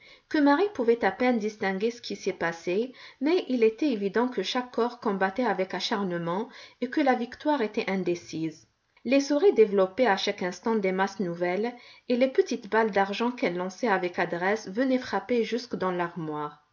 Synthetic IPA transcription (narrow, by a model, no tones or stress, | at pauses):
kəmaʁipuvɛt̪apɛnd̪ist̪ɛ̃ɡʲesə̥kʰʲisiɛpasemɛʔilet̪ɛevid̪ɑ̃kəʃakʰːɔʁkɔ̃bat̪ɛavɛkaʃaʁnəmɑ̃ekəlavikt̪waʁet̪ɛʔɛ̃d̪esiz | lesuʁid̪evlɔpɛaʃakɛ̃st̪ɑ̃d̪emasnuvɛlelepət̪it̪bald̪aʁʒɑ̃kɛlːɑ̃sɛavɛkad̪ʁɛsvənɛfχapeʒyskd̪ɑ̃laʁmwaːʁ